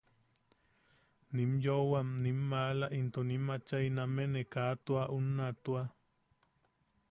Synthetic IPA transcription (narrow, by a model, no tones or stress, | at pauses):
nimjowamnimːaːlaʔint̪onimat͡ʃainamenekaːt̪uaʔunːat̪ua